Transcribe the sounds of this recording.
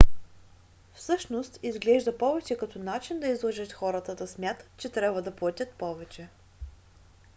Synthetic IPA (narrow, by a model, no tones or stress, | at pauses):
fsɤʃnost̪izɡlɛʒd̪ɐpɔvɛt͡ʃɛkɐt̪ɔnat͡ʃind̪ɐizlˠɐʒət̪xɔɾət̪əd̪ɐsmʲjat̪ə̥t̪t͡ʃɛt̪ɾʲabvəd̪ɐplˠɐt̪ʲət̪̚pɔvɛt͡ʃɛ